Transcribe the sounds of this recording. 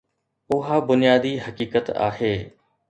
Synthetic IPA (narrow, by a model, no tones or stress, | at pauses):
ʊɦabʊnɪjaːd̪iːɦɐkiːkət̪a̰ːɦeː